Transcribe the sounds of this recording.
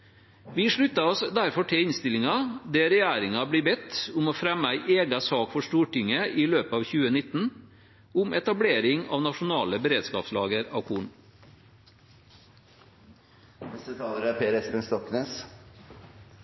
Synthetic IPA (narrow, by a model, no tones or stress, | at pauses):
ʋiːʂɭʉt̪ɑɔsd̪æɾfɔʈʰeɪnst̪ɪlɪŋɑd̪eːɾɛjæːɾɪŋɑbliːbɛt̪ːʊmoːfɾɛmːəæɪʔeːɡɑsɑːkfɔʂt̪uːʈɪŋːəʔiːløːpəɑːʋçʉːənɪt̪n̩ | ʊmʔɛt̪ɑbleːɾɪŋɑ̰ːʋnɑʂʊnɑːləbəɾeːd̪skɑ̰ːpslɑ̰ːɡəɾɑ̰ʋkʰuːɳ | nɛst̪ət̪ʰɑːləɾæpʰeːɾɛspənst̪ɔkneːs